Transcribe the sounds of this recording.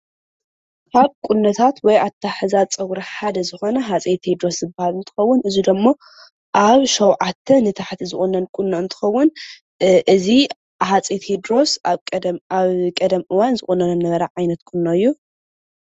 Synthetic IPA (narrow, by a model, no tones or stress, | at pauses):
kʰaβkʼunːɐt̪ʰat̪wɔjat̪ʰːaħɨzat͡sʼɐwɾɐħad̪ɐzɨxo̞nɐɦat͡sʼet̪hed̪ɾo̞szɨbːahalɨnt̪ʰɨ̥xɐwːʊnʔɨzud̪ɐmːo | ʔaβʃɐwʕat̪ʰːɐnɨt̪ʰaħt̪ʰizɨxʼunːɐnkʼunːoɨnt̪ʰɨ̥xɐwːʊn | ʔɨzi | hat͡sʼet̪hed̪ɾo̞sʼ | aβkʼɐd̪ɐmʔɨwanzɨxʼunɐnɐnːɐβɐɾɐʕajnɐt̪kʰʼunːoɨjːu